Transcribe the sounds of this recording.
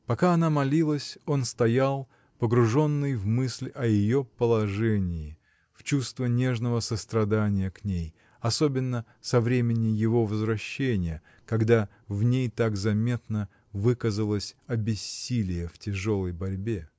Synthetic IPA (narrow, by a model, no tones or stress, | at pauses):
pɐkaɐnamɐlʲilˠəsʲo̞nst̪ɐjalˠ | pəɡɾʊʐo̞nːɨjvmɨsʲlʲɐjɪjo̞pəlˠɐʐɛnʲɪɪ | ft͡ɕust̪vənʲe̞ʐnəvəsəst̪ɾɐd̪anʲɪjəknʲej | ɐso̞bʲɪnːə | sɐvɾʲemʲɪnʲɪjɪvo̞vəzvɾɐɕːenʲɪjə | kɐɡd̪a | vnʲejt̪aɡzɐmʲe̞t̪nə | vɨkəzəlˠəsʲɐbʲɪsʲːilʲɪjəftʲɪʐo̞lˠəjbɐɾʲbʲe